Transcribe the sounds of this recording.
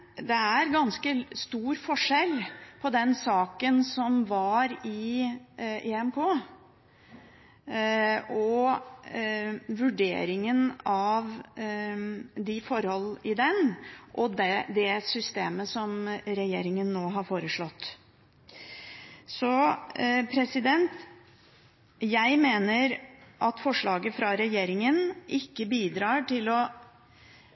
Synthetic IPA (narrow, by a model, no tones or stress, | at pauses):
d̪ɛæɾɡɑnskəst̪uːɾfɔʂɛlpʰɔd̪ɛnsɑːkənsɔmʋɑɾɪ | ʔeɛmkʰoː | ɔ | ʋʉɖḛːɾɪŋənɑʋ | d̪ɪfɔɾhɔlːɪd̪ɛnʔɔd̪ɛd̪ɛsʏst̪eːməsɔmɾɛjeːɾɪŋənːoːɦɑɾfoːɾəʂɭɔt̪ː | sɔ | pʰɾɛsɪd̪ɛnt̪ | jæɪmeːnəɾʔɑt̪fɔʂɭɑːɡəfɾɑɾɛjeːɾɪŋənʔɪkːəbiːd̪ɾɑːʈɪlɔ